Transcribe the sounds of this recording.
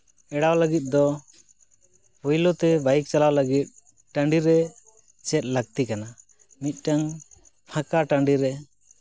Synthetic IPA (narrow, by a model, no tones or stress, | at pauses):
ɛɽawləɡit̪̚d̪ɔ | pɔjlɔt̪ɛbajk̚t͡ʃalawləɡit̪̚ | ʈaɳɖiɾɛ | t͡ʃɛt̪̚laɡ̚t̪ikana | mit̪̚ˀʈaŋ | pʰãkaʈaɳɖiɾɛ